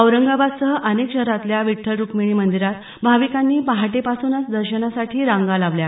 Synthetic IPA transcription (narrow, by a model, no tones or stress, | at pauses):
əʋɾəŋɡabad̪səɦəʔənekɕəɾat̪ljaʋiʈʰəlɾukmiɽ̃iːmənd̪iɾat̪ | bʱaʋikanːiːpaɦaʈepasuːnasd̪əɾɕənasaʈʰiːɾãŋɡalaʋlja